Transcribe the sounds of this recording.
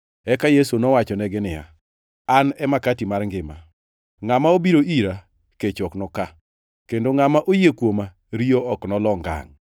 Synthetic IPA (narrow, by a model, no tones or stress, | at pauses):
ɛkajesunɔwat͡ʃɔnɛɡɪnɪja̰ | anɛmakatimarŋɡɪma̰ | ŋamaobiɾoiɾa | ket͡ʃɔknɔka | kendoŋamaʔojekwoma | ɾioɔknɔlɔŋɡa̰ŋ